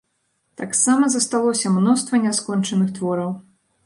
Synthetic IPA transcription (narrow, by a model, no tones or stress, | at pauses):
t̪aksamɐzɐst̪alˠɔsʲɐmnɔst̪vɐnʲɛskɔnt͡ʂɐnɨxt̪vɔɾɐw